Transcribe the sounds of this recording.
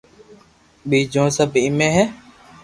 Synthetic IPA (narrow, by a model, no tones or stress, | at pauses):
ɓiːd͡ʒõːsəbʱɪmẽːɦɛː